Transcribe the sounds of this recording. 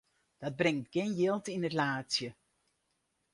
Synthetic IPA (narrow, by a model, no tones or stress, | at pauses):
d̥ɑd̚brɪŋtɡɪnjɪlˠtɪnətlaːsjə